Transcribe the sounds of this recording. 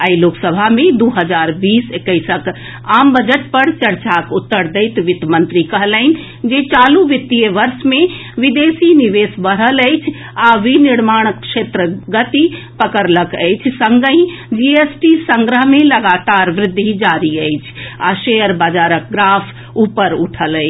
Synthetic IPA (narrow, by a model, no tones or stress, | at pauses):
əiloːksəbʱamẽd̪uɦəd͡ʒaːɾbiːsekəɪsək | aːmbəd͡ʒəʈ̚pəɾt͡ʃəɾt͡ʃakʊt̪ːəɾd̪əɪt̪ʋɪt̪mə̃nt̪ɾikəɦləɪn̆ | d͡ʒet͡ʃaːluʋɪt̪ːijəʋəɾsmẽʋɪd̪esiniʋeːsbəɽ̤ələɪt͡ʃʰ | aʋinɪɾmaːɽ̃əkʃet̪ɾəɡət̪i | pəkəɾləkəɪt͡ʃʰsə̃ŋɡəĩd͡ʒiesʈisə̃ŋɡɾəɦmẽləɡat̪aɾʋɾɪd̪ʱːid͡ʒaɾiəɪt͡ʃʰaʃejəɾbaːd͡ʒaːɾək̚ɡɾaːpʰ | upəɾuʈʰələɪt͡ʃʰ